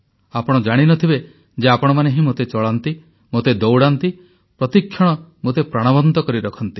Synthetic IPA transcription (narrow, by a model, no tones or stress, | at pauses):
apɔɽ̃ɔd͡ʒaɽ̃inɔt̪ʰibe | d͡ʒeapɔɽ̃ɔmaneɦimot̪et͡ʃɔɭant̪i | mot̪ed̪owɽant̪i | pɾɔt̪ikʰːjɔɽ̃ɔmot̪epɾaɽ̃ɔbɔnt̪ɔkɔɾiɾɔkʰɔnt̪i̥